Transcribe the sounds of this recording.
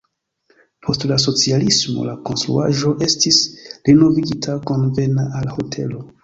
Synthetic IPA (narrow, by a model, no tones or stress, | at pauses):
pʰo̞stlas̬o̞t͡sialismo̞̰lako̞nstɾṵa̰ʒo̞ʔe̞stisɾino̞viɡitʰako̞nve̞naʔalho̞tʰe̞̰lo̞